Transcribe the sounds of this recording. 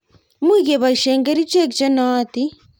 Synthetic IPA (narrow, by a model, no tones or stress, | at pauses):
miːɣeβaiʃeːŋɡeɾit͡ʃekit͡ʃenaːt̪i